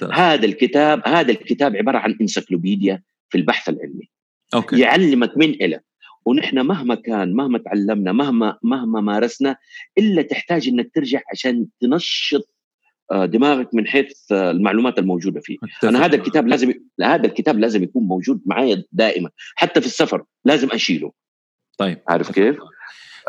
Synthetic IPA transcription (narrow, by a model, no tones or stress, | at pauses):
haːd̪alkɪt̪aːbhaːd̪alkɪt̪aːbʕɪbɑːɾˤɑʕanʔɪnsaklobiːd̪ɪja | filbaħθalʕɪ̰lmi | jɪʕalːɪmakmɪnʔɪla | wɪnɪħnamaɦmakaːnmahmat̪ʕalːamnamahmamahmamaːɾˤɑsnaʔɪlːat̪ɪħt̪aːd͡ʒʔɪnːak̚t̪ɪɾd͡ʒaʕʕaʃaːnt̪ɪnɑʃːɨt̪̚ˤ | d̪ɪmaːɣak̚mɪnħeːθlmaʕluːmaːt̪almowd͡ʒuːd̪afḭːʔanaɦaːd̪alkɪt̪aːblaːzɪmhaːd̪alkɪt̪aːblaːzɪmjakuːnmowd͡ʒuːd̪̚maʕaːjad̪aːʔɪmanħat̪ːafisːafɑɾˤ | laːzɪmʔaʃiːlṵˤ | ʕa̰ʕɾˤɪfkeːf